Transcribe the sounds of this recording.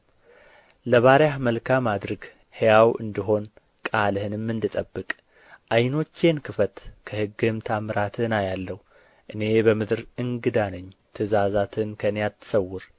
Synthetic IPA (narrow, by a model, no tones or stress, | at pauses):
ləβaɾjahməlkʰamad̪ɾəɡ | hejawʔɨ̰nd̪iɦo̞n | kʼalhɨnɨmːɨnd̪ɨt̪ʼəbːɨkʼ | ʔajno̞t͡ʃːe̞nkʰɨfət̪kʰəhɨɡːɨmt̪ʰamɾat̪ʰɨnajalːəhu | ʔɨne̞bəmɨd̪ɾɨŋɡɨd̪anəɲːt̪ʰɨzazat̪ʰɨnkʰənjat̪ʰːɨ̥səwːʊɾ